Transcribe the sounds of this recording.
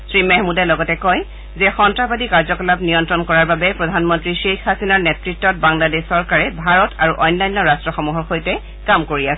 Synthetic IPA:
sɹimɛɦmudɛlɔɡɔtɛkɔj | zɛxɔntɹabadikaɹzɔkɔlabnijɔntɹɔnkɔɹaɹbabɛpɹɔdʱanmɔntɹiʃexːasinaɹnɛtɹitːɔt̚baŋladessɔɹkaɹɛbʱaɹɔtʰaɹuʔɔjnːajnːɔɹastɹɔxɔmuɦɔɹxojtɛ | kamkoɹiasɛ

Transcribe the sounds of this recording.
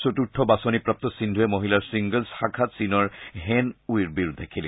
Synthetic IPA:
sotutʰːɔbasɔnipɹap̚t̪ɔsindʱuɛmoɦilaɹsiŋɡəlsxaɡʰʱatsinɔɹɦɛnuiɹbiɹud̪ʱekʰilɛ

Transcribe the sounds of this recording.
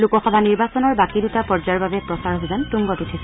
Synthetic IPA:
lukɔxɔbʱaniɹbasɔnɔɹbakidutapɔɹzaɹbabɛpɹɔsaɹɦojzantuŋɡɔtutʰisɛ

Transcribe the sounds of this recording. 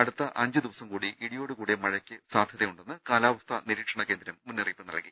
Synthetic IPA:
ɐɽut̪ːɐʔɐɲd͡ʑɨd̪iʋɐsɐmkuːɽiʔiɽijo̞ːɽɨkuːɽemɐɻɐkʲːɨsaːd̪ʱjɐðɐjuɳɖenːɨkaːlaːʋɐst̪ʰɐniɾiːkʂɐɳɐkeːnd̪ɾɐmːunːɐriːpːɨnɐ̰lki

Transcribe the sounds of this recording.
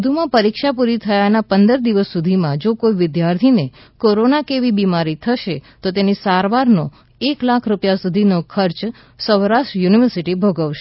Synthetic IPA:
d̪ʱumãpəɾikʃapuɾit̪ʰəjanapənd̪əɾd̪iʋəsːud̪ʱimãd͡ʒokoiʋɪd̪jaɾt̪ʰine | koɾonakeʋibimaɾit̪ʰəʃet̪ot̪enisaɾʋaɾno | eklakʰɾupjasud̪ʱinokʰəɾt͡ʃ | səʋɾaʃʈjuniʋəɾsiʈibʱəɡəʋʃe

